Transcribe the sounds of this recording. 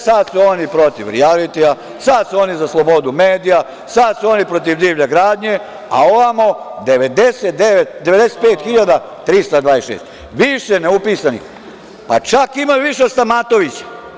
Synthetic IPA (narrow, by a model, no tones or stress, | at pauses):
sad̪suoːnipɾo̞t̪iʋɾḭalit̪ia | sad̪suonizaslˠo̞bo̞d̪umeːd̪ija | sad̪suonipɾot̪̬iʋd̪iːʋʎeɡɾaːd̪ɲe̞ | a̰oʋamod̪eʋed̪eset̪̚d̪eʋet̪d̪e̞ʋe̞d̪eset̪̚pe̞ːt̪xiʎad̪a | t̪ɾist̪ad̪ʋaːesʃeːst̪ | ʋiʃeneupiːsanḭ | pat͡ʃakimajuʋiʃeost̪amat̪o̞ʋit͡ɕḁ